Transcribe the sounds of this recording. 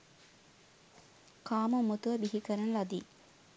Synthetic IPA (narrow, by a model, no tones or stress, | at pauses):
kaːmumːut̪uʋɐbiɦikɐɾɐnlɐd̪i